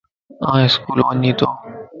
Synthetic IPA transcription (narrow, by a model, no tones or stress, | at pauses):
ãːeskuːlʋənĩːt̪oː